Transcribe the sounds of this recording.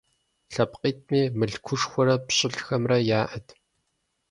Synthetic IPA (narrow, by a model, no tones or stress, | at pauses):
ɬɐpqiːt̚ʰmiːmɨɮkʷʰʊʂxʷɔɾɐpɕʼɪɮxɐmrɐjaːʔɐtʰ